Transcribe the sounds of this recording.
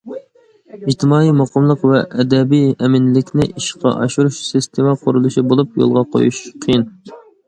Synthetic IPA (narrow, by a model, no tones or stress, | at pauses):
id͡ʒt̪ʰɪmɑːimɑqəmlˠəqvɛʔɛd̪ɛbijɛmɪnlɪkʲnɪʔiʃqʰɑ̰ʔɑ̰ʃuɾuʃsɨst̪ʰemɑqʰoɾulˠuʃibolˠup̚jo̰lˠʁɑqʰo̰jṵʃqʰəjin